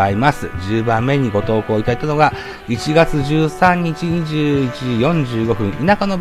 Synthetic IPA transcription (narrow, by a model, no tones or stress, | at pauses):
aimasɨd͡ʑɨːbãmːe̞ɲ̟iɡo̞t̪o̞ːko̞ːit̪ait̪anoɡa | it͡ɕiɡat͡sɨʑɨːsãɲ̟ːit͡ɕiɲ̟iʑɨːit͡ɕijõ̞ɲd͡ʑɨːɡo̞ɸɯ̟̃ɰinakano̞b